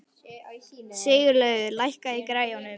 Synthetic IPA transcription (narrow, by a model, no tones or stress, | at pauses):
sɪːjʏɾlœːɥɣʏlajhkaikɾaːjanʏ